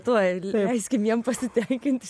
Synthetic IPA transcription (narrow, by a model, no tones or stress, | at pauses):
t̪uːlʲɛɪsʲkʲɪmjiɛmpɐsʲɪt̪ʲɛŋʲkʲɪnʲt̪ʲ